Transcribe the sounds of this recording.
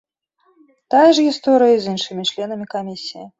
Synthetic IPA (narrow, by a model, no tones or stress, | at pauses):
t̪ajɐʐɣʲist̪ɔɾɨjɐizʲɨnʂɨmʲit͡ʂlʲɛnɐmʲikamʲisʲiji